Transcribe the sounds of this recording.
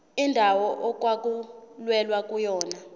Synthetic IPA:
indʱawɔʔɔk̬ʼwak̬ʼulwɛlwak̬ʼujɔːna

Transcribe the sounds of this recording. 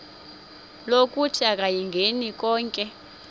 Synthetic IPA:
lok̬ʼutʰiak̬ʼajiŋɡʱenik̬ʼɔːŋkʼɛ

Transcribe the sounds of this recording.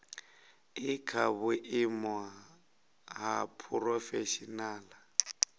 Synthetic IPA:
ɪkʰabʊʔɪmwa | ɦapʰʊrɔfeʃinaːla

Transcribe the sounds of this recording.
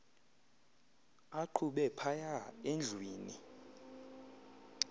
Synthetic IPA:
aǃʰuɓɛpʰajaend͡ɮʱwiːni

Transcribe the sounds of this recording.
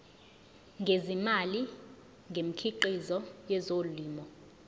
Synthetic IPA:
ŋɡʱezimali | ŋɡʱem̩kʰiǃizɔjɛzolliːmɔ

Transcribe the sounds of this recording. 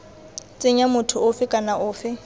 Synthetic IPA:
t͡sʼɪɲamʊtʰʊʊfɪkʼanaʔʊːfɪ

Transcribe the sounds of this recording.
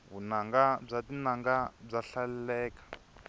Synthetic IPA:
βunaŋɡab͡ʐatinaŋɡab͡ʐaɬalɛlɛːkḁ

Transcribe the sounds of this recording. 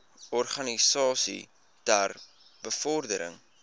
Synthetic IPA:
ɔrχɐnisɑːsḭ | tær | bəfɔrdəɾə̰ŋ

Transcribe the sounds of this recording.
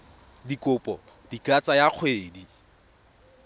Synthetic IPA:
dikʊpʼɔ | d̥ikʼat͡sʼajaq͡χʰweːdi

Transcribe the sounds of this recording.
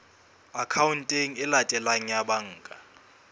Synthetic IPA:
akʰawuntʼeŋ̩ɪlatʼɛlaŋ̩jaɓaŋ̩ːkʼa

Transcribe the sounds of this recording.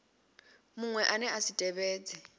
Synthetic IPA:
muŋwɛʔanɛasitʼɛβeːd͡zʱʼɛ

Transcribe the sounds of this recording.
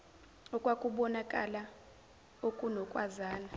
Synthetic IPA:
ɔkʼwakʼuɓɔnakʼa̰la | okʼunɔkʼwazaːna

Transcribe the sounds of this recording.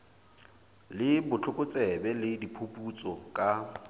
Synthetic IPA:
lɪbʊt͡ɬʰʊkʼʊt͡sʼɛbɛlɪdipʰopʼut͡sʼɔkʼa

